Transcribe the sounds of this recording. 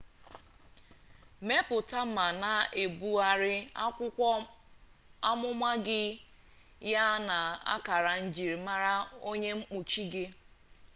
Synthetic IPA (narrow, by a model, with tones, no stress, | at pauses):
me˦pʊ˨ta˦ma˨na˨e˨bu˦a˦ɾɪ˦ | a˦mʊ˦mʷa˦ɡɪ˦ | ja˦na˨a̰˦ka˨ɾa˨n̩˦d͡ʒi˨ɾi˨ma˦ɾa˦o˦ɲe˦ŋ͡m̩˦k͡pu˨t͡ʃi˦ɡɪ˦